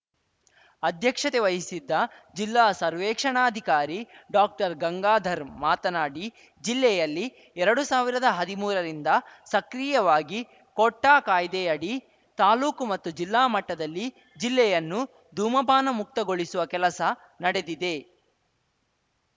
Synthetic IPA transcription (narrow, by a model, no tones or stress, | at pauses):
ɐd̪ʱjɐkʂɐt̪eʋɐjisid̪ːɐd͡ʒilːaːsɐɾʋɛːkʂɐɳaːd̪ʱikaːɾiɖaːk̚ʈɐɾɡɐŋɡaːd̪ʱɐɾmaːt̪ɐnaːɽi | d͡ʒilːɛjɐlːi | ɛɾɐɽusaːʋiɾɐd̪ɐɦɐd̪imuːɾɐɾind̪ɐsɐkɾiːjɐʋaːɡi | kɔʈːaːkaːjd̪ɛjɐɽi | t̪aːluːkumɐt̪ːud͡ʒilːaːmɐʈːɐd̪ɐlːi | d͡ʒilːɛjɐnːu | d̪ʱuːmɐbʱaːnɐmuk̚t̪ɐɡo̞ɭisuʋɐkɛlɐsɐ | nɐɽe̞d̪id̪e̞